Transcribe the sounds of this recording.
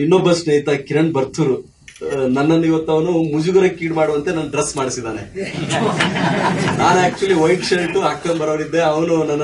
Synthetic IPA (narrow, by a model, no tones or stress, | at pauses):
inːoːbɐsnɐjt̪ɐkiɾɐɳbɐɾt̪ʰuɾu | nɐnːɐnːiʋɐt̪ːɐʋɐnumud͡ʒuɡɐɾɐkkːiːʈmaːɽuʋɐnt̪enɐnːɐɖɾesːmaːɽisid̪aːne | naːnaːk̚t͡ʃuɐlːiʋɐjʈt͡ʃɐɾɐʈuɐkːɐnbɐɾoːɾid̪ːeɐʋɐnunɐnː